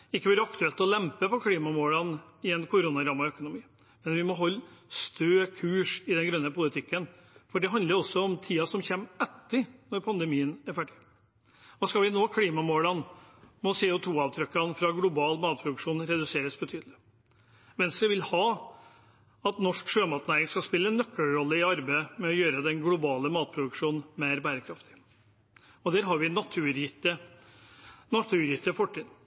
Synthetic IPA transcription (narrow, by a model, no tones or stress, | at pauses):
ɪkːəʋøːɾəɑkt̪ʉɛlt̪ɔlɛmpəpɔkʰliːmɑmoːlɑnɪɛnkʰʊɾuːnɑɾɑmɑœkʊnʊmiː | mɛnʋɪmɔɦɔlːst̪ʰøːkʰʉːʂɪd̪ɛnɡɾœnːəpʊlɪt̪ʰɪkːən | fɔɖɛɦɑnd̪ləɾɔsːɔɔmt̪ʰiːɑsɔmçɛmɛt̪ːəɾnɔɾpʰɑnd̪ɛmiːənæɾfæɖɪ | ʋɑːskɑlʋɪnoːkʰliːmɑmoːlɑnmɔsɛɔt̪ʰuːɑːʋt̪ʰɾœkːɑnfɾɑɡlʊbɑːlmɑːt̪̚pʰɾʊd̪ʉkʂuːnɾɛd̪ʉseːɾəsbət̪ʰyːd̪əlɪ | ʋɛnst̪ɾəʋɪlhɑː | ɑt̪nɔʂkʂøːmɑːt̪næɾɪŋskɑspɪlːəɛnːœkːəlɾɔlːəɪɑɾbemɛɔjøːɾəd̪ɛnɡlʊbɑːləmɑːt̪̚pʰɾʊd̪ʉkʂuːnn̩meɪɾbæːɾəkʰɾɑft̪ɪ̥ | ɔd̪æːɾɦɑɾʋɪnɑt̪ʰʉːɾjɪt̪ːə | nɑt̪ʰʉːɾjɪt̪ːəfɔʈʰːiːd̪